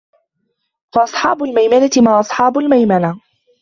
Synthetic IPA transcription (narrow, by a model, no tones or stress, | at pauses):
fɑʔɑsˤħɑːbʊlmajmanat̪ɪmaːʔɑsˤħɑːbʊlmajmana